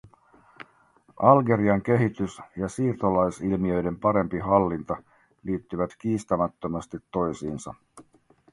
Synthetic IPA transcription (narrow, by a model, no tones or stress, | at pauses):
ʔɑlɡe̞ɾiɑŋk̟e̞ɦit̪ysjɑsiːrt̪o̞lɑjsilmiø̞jde̞mpɑɾe̞mpiɦɑlːint̪ɑ | liːt̪ːyʋæt̪k̟iːst̪æmæt̪ːømɑst̪it̪ːo̞jsiːnsɑ̰